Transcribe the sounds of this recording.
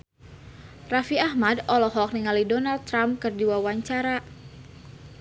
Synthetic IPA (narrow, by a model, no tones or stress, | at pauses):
rafiahmadɔlɔɦɔk̚niŋalidɔnaldt̪ːɾamkɨrdiwawaɲt͡ʃaɾa